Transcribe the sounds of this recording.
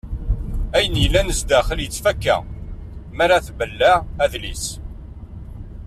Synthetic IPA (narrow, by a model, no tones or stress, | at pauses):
æjənjəlːænəsd̪æχəljət͡sːfækːæ̰ | mæɾaθbəlːææðlḭs